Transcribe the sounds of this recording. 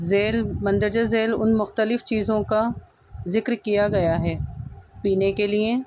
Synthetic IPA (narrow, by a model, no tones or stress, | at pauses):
zeːlmɐ̃nd̪əɾd͡ʒəzeːlʊ̰nmʊxt̪əlɪft͡ʃiːzõka | zɪkɾkijaɡɐjaɦɛːpiːnekelie